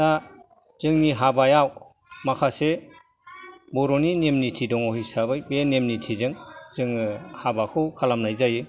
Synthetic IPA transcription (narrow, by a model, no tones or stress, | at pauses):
a | z̥ɯŋniɦabajaw | makʰase | bɔɾɔninemnitʰidɔŋɔhijsabɯjbenemnitʰizɯŋz̥ɯŋɯhabakʰɯwkʰalamnajzajɯ